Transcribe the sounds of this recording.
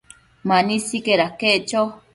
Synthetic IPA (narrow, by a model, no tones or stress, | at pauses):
manisikeɾakeʔt͡ʃo